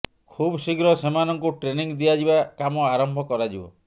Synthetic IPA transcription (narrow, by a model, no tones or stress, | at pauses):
kʰubsiɡɾɔsemanɔŋkuʈɾeniŋd̪iad͡ʒibakamɔaɾɔmbʱɔkɔɾad͡ʒibɔ̰